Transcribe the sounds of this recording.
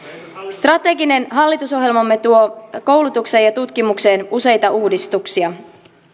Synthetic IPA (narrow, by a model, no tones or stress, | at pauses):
st̪rɑt̪e̞ɡine̞nɦɑlːit̪uso̞ɦje̞lmɑmːe̞t̪uo̞ko̞wlut̪ukse̞jɑt̪ut̪k̟imukse̞ːnuse̞jt̪ɑuːdist̪uksiɑ